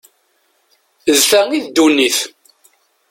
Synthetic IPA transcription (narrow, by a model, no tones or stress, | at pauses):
əzθæŋiðd̪uniθ